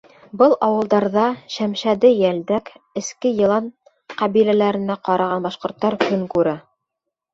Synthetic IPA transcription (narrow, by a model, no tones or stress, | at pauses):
bɤlˠʔɑwɤ̆lˠd̪ɑɾðɑʃæmʃæd̪ɘjæld̪ækɘ̆skɘjɤ̆lˠɑn | qɑβilælæɾɘ̆næqɑɾɑʁɑnbɑʃqŏɾt̪ːɑɾkɵŋkʉɾæ